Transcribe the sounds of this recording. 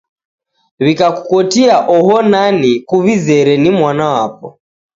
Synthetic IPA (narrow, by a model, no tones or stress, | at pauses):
βikaku̥kɔtiaʔɔɦɔnanikuβizɛɾɛnimwanawapɔ̰